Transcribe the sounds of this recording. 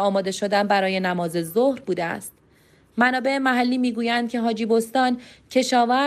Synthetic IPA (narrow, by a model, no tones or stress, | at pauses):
ɒːmɒːd̪e̞ʃo̞d̪ænbæɾɒːje̞næmɒːze̞zohɾbuːd̪eæ̰st̪̚ | mænɒːbe̞emæɦælːiːmiːɡuːjænd̪̥̚cʰe̞ɦɒːd͡ʒiːbo̞st̪ɒːncʰe̞ʃɒːvæ